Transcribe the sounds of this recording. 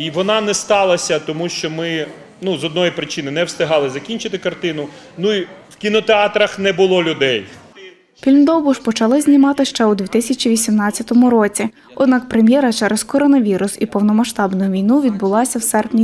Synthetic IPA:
iʋɔnɑnɛst̪ɑlˠɐsʲɐt̪ɔmuʃt͡ʃɔmɪ | nuzɔd̪nɔjipɾɪt͡ʃɪnɪnɛwst̪ɪɦɑlˠɪzɐkʲinʲt͡ʃɪt̪ɪkɐrt̪ɪnʊnuiwkʲinɔt̪eɑt̪ɾɐxnɛbʊlˠɔlʲʊd̪ɛj | fʲilʲnd̪ɔwbʊʃpɔt͡ʃɐlˠɪzʲnʲimɑt̪ɪʃt͡ʃɛud̪ʲʋʲit̪ɪsʲɐt͡ʃʲiʋʲisʲimnɑt͡sʲɐt̪ɔmʊɾɔt͡sʲi | ɔd̪nɑk̚pɾemʲjɛɾɐt͡ʃɛɾʔezkɔɾɔnɐʋʲiɾʊsipɔwnɔmɐʃt̪ɑbnʊjʊʋʲijnuʋʲid̪̚bʊlˠɑsʲɐwsɛrpnʲi

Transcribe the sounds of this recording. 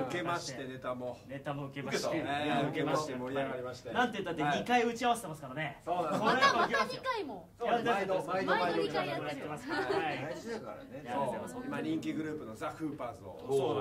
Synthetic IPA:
ɯ̟ke̞mmaɕi̥t̪ene̞t̪amone̞t̪amoɯ̟ke̞maieoɯkemaɕt̪eoiaɾimaɕi̥t̪enãnt̪ejɯt̪ːat̪ːeɲikaiɯ̟t͡ɕiaβaset̪emasɨ̥kaɾaneokoɾeaɡʲikaimo | jat̪ːeooaoaoat̪ːemasaazid̪akaɾa̰nejaoimaɲʲĩŋkʲiɡɯ̟ɾɯ̟ːpɯ̟nozahɯ̟ːpaːzɨo̰o

